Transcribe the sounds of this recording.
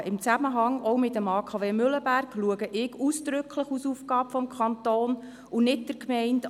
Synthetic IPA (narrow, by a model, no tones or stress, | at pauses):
ɪmt͡sæməɦɑŋɔʊmɪtːəmɑːkʰɑːveːmʏləbærkluəɡəʔɪɡusd̥̪ɾʏkʰləχusufkɑːpfɔmkʰχɑnt̪oːn | unɪt̚d̥əɾkmɛɪnt